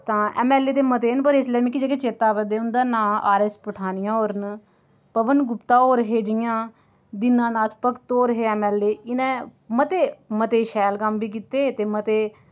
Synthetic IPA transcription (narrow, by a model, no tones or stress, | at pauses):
t̪ãːɛ̰ːmɛːlːeːt̪eːmət̪eːnpəɾɪslɛːmɪkːid͡ʒeːket͡ʃeːt̪aːʋəd̪eːʊnd̪aːnaːaːɾespəʈʰaːnɪjãːoːɾn | pəʋənɡʊpt̪ãːoːɾəɦeːd͡ʒɪjãː | d̪ɪnãːnaːt͡ʃpəkt̪oːɾəɦeːɛːmɛːleːɪnẽːmət̪eːmət̪eːʃɛːlkəmbiːk̬iːt̪eːt̪eːmət̪eː